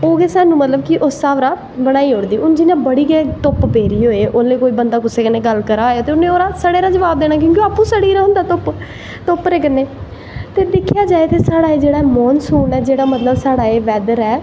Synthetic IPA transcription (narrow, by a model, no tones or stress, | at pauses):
oːɡeːsaːnũːmət̪ləbkɪʔosːaːʋɾaː | bəɽ̃aːiːɦoːɽd̪iːʊnd͡ʒɪnãːbəɽiːɡɛːt̪ʊpbeːɾiːɦoːeːʔoːlẽːkoːiːbənd̪aːkʊseːkəneːɡəlkəɾaːjaːt̪eːʊnẽːoːɾaːsəɽeːɾaːd͡ʒəʋaːb̚d̪eːɽ̃naːk̬jõːkeoaːpːũːsəɽiːɾaːɦʊ̃nd̪aːt̪ʊp | t̪ʊpɾeːkəneː | t̪eːd̪ɪkʰːɪjaːd͡ʒaːeːt̪eːsaːɽaːeːd͡ʒeːɽaːeːmɔːnsuːɳɛːd͡ʒeːɽaːmət̪ləbsaːɽaːeːʋɛːd̪əɾɛː